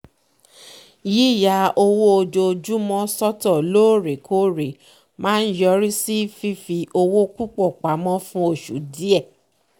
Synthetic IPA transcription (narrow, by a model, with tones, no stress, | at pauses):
ji˦˨ja˨˧˨o˧wo˦o˧d͡ʒo˧d͡ʒu˦mɔ̃˦sɔ˦tɔ˦˨loː˦˨ɾe˨kʰo˦ɾe˨ | mãː˦n̩˦jɔ˧ɾi˦si˦fi˦fi˧ʔo˧wo˦ku˦k͡pɔ˦˨k͡pa˨˦mɔ̃˦fũ˦o˧˨ʃṵ˨˦di˦ɛ˦˨